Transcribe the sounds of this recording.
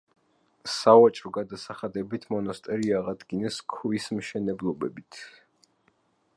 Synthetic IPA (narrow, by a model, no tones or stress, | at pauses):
savat͡ʃʼɾɔɡad̪asaχad̪ɛbit̪ʰmɔnɔst̪ʼɛɾiaʁad̪ɡinɛskʰwismʃɛnɛblˠɔbɛbit̪ʰ